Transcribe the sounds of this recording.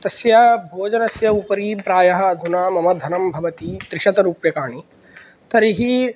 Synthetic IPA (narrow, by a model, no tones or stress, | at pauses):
t̪ɐsjɐbʱoːd͡ʒɐnɐsjɐupɐɾiːpɾaːjɐɦɐ̆ːd̪ʱunaːmɐmɐd̪ʱɐnɐmbʱɐʋɐt̪it̪ɾɪʃɐt̪ɐɾuːpjɐkaːɳ̃i | t̪ɐɾiɦi